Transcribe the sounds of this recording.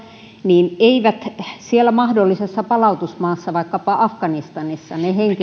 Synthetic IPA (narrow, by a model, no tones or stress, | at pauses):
niːneiʋæt̪sielːˑæmɑhdolːisesːɑpɑlɑut̪usmɑːsːɑʋɑikːɑpɑʔɑfkɑnist̪ɑnisːɑneheŋki